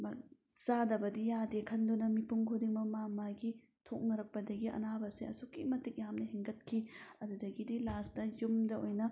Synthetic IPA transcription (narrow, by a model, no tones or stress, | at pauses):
mɐsadɐbɐdijadekʰɐndunɐmipuŋkʰodiŋmɐmamaɡi | tʰok̚nɐɾɐk̚pɐdɐɡiʔɐ̰nabɐseɐsukːimɐtik̚jamnɐhiŋɡɐt̚kʰiɐdudɐɡidilastɐjumdɐojnɐ